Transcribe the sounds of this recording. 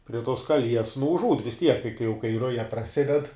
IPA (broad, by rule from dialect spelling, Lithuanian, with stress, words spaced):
pʲrʲiɛ toːs kɐˈlʲiɛs nʊ ʊʒˈuːt ʋʲɪs tʲiɛk kɐɪ kɐɪ jɛʊ kɐɪ ˈrʊjɛ prɐˈsʲɪdʲɛt